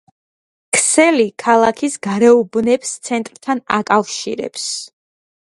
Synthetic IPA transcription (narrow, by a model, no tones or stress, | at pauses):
kʰsɛlikʰalˠakʰisɡaɾɛubnɛpst̪sʰɛnt̪ʼɾt̪ʰanakʼafʃḭɾɛ̰ps